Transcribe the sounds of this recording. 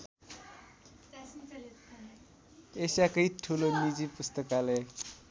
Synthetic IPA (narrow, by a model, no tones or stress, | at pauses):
esakʌiʈʰulonid͡zipust̪ʌkale